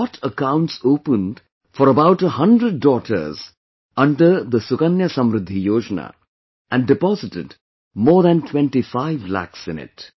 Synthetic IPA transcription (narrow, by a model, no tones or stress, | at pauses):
ɔʈʰəkãʊ̃ɳʈsoːpə̃nɖ | fɔɾəbaʊʈəhʌ̃ɳɖɾəɖ̚ːɔːʈʰə̰ɾz | ʌ̃ɳɖəɾd̪əsʊkənjɐsʌ̃mɾɪd̪ʱːijoːd͡ʒəna̰ | æ̃ɳɖɪpɔːzɪʈɪɖ | mɔːɾd̪æ̃nʈʰwɛ̃ɳʈifaɪʋlæ̰ksɪ̃nɪ̰ʈ